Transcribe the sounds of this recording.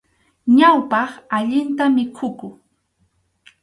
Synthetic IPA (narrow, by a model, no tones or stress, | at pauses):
ɲawpɑχaʎɪnt̪amɪkʰʊkʊ